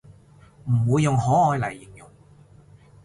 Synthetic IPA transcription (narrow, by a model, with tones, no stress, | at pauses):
m̩˨˩wuː˨˧jːʊ˨ŋhɔː˨˥ɔː˧jlɐ˨˩jːɪ˨˩ŋjʊ˨˩ŋ